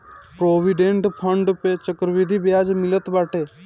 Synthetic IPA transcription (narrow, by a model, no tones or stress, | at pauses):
pɾoːʋiɖẽɳʈpʰəɳɖpet͡ʃəkɾʋid̪ʱibjaːd͡ʒmɪlət̪baːʈeː